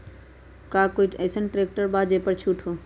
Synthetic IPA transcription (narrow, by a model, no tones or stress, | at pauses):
kaːkoːiɛːsənʈɾeːk̚ʈəɾbaːd͡ʒepəɾt͡ʃʰuːʈʰɦoː